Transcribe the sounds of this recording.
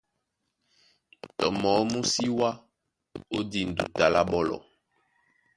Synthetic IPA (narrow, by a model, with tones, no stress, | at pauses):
tɔ˨mɔ˨˦mu˦si˦wa˦ | o˦di˨n̩˨dṵ˨ta˨la˦ɓɔ˦lɔ̰˨